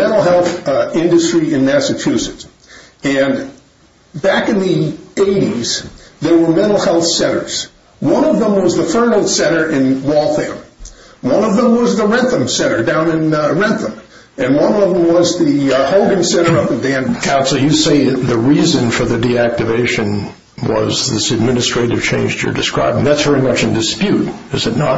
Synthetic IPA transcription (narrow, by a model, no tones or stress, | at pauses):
mɛ̃ñl̩ˠɦɛlˠθɪ̃ndɨstɹ̥iɨ̃nmæsɨt͡ʃʰʉsɨts | ɨ̃n | bækɨ̃nðieɪɾiz̥ðə˞wə˞mɛ̃ɾ̃l̩ˠhɛlˠθsɛ̃ɾ̃ə̰˞z̥ | wʌ̃nʌvðə̃mwʌzðəfɜ˞nl̩ˠd̥sɛ̃ɾ̃ə˞ʔɪ̃nwɔlˠθæ̰̃mwʌ̃nʌvðə̃mwʌzðəɹɛ̃nθə̃msɛ̃ɾ̃ə˞dãʊ̃nɨ̃nɹɛ̃nθə̃m | ɨ̃nwʌ̃nʌvðə̃mwʌzðihoʊlˠdɪ̃ŋsɛ̃ɾ̃ə˞ʌpɨ̃ndæ̃nkʰãʊ̃nsl̩ˠjɨseɪðɨɹizɨ̃nfə˞ðɨdiæk̚tɨveɪʃɨ̃n | wʌ̰zðɪsɨd̚mɪnɨstɹ̥eɪɾɨv̥t͡ʃʰẽɪ̃nd͡ʒə̰˞dɨskɹa̰ɪbɪ̃ŋðætsv̥ɛɹimʌt͡ʃɨ̃n̩dɨspjʉɾɨzɨtⁿnə̰